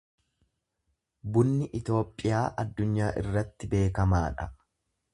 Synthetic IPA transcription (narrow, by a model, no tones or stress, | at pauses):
bʊnːɪʔɪt̪o̞ːpʼːɪjaːʔɐd̪ːʊɲːaːʔɪ̰rːɐt̪ːɪbe̞ːkɐmaːᶑɐ